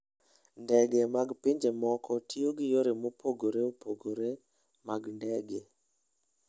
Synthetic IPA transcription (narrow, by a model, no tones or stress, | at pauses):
ndɛɡɛmaɡpɪɲd͡ʒemɔkʰɔtʰioɡjoɾemopʰoɡoɾeopʰoɡoɾe | maɡndɛɡe